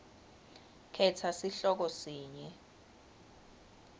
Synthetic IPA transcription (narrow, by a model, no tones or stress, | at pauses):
kʰɛtʰasiɬɔk̬ɔsiːɲɛ